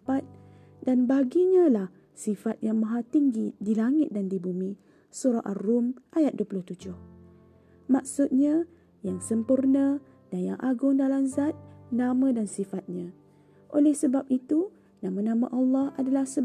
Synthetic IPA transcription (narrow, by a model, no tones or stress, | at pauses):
pat̪̚ | danbaɡiɲãlah | sifat̪̚jaŋmãɦat̪iŋɡidilaŋɪt̪̚dandibumĩ | suɾaʔa̰rumʔajat̪̚duəpulʊht̪ud͡ʒʊh | maksʊt̪̚ɲã | jaŋsəmpurnə̃ | danjaŋʔaɡʊŋdalamzat̪̚namə̃dansifat̪̚ɲã | ʔolɛhsəbap̚it̪u | nãmãnãmã̰ʔalːɑhadalahsə